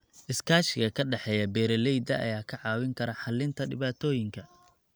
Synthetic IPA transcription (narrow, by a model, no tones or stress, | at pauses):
ʔɪskʰaːʃɪɣɐkʰɐɖɑħɛːjɐbɛːɾɛlɛjd̪ɐ̰ʔɐ̰jaːkʰɐʕɑːwɪŋkʰɐɾɐħɑlːɪnt̪ʰɐɖɪβaːt̪ʰɔːjɪŋkʰɐ